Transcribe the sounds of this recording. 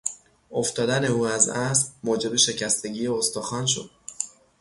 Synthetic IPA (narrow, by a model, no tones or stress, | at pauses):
o̞ft̪ɒːd̪æne̞uːæzæsɾmoːd͡ʒe̞be̞ʃe̞cʰæst̪e̞ɟiːjeost̪oxɒːnʃ̬o̞̰d̪̥̚